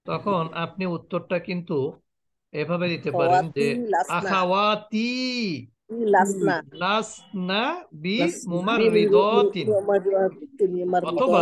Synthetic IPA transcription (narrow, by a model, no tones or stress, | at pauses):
t̪ɔkʰonapniut̪ːoɾʈakint̪u | ebʱabed̪it̪epaɾend͡ʒeakawat̪i | lasalasnabimumaɾɾːid̪ɔt̪i | aɔt̪ʰoba